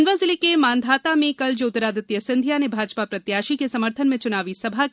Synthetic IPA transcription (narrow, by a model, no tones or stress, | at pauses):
nʋazɪlikemaːnd̪ʱaːt̪amẽkɐld͡ʒoːʊt̪ːəɾaːd̪ət̪jɐsɪ̃nd̪ʱjanebʱaːd͡ʒpapɾɐt̪jaːʃikesɐməɾt̪ʰənmẽt͡ʃʊnaːʋisɐbʱa